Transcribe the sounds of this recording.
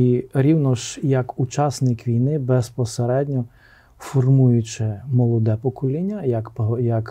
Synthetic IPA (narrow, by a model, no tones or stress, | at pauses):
iɾʲiwnɔʃjɐkut͡ʃɑsnɪkʋʲijnɪbɛspɔseɾɛdʲnʲɔ | fɔrmujʊt͡ʃɪmɔlˠɔd̪ɛpɔkɔlʲinʲːɐɐjɐk